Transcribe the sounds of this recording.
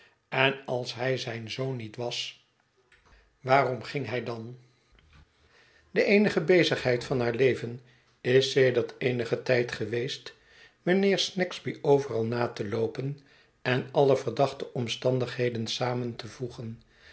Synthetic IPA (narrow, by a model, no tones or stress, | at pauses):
ɛnɑlˠsɦɛjzɛjnzownːitʋɑs | ʋaːrɔmχɪŋɦɛjdɑn | d̥əʔejnəχəbejzəχɦɛjtfɑnɦaːɹlejvən | ɪsːejdəɹtejnəχətɛjtχəʋejst | mənɪːɹsnɛkzbiowvərɑlˠnaːtəlowpən | ɛnɑlˠəv̥əɹdɑχtəʔɔmstɑndəχɦejdənsaːməntəvuχən